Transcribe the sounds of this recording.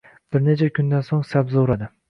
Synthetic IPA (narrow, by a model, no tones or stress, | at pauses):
b̥ɪɾnet͡ʃʰɛkʰʲʊnd̪ansoŋsabzoɾad̪ɪ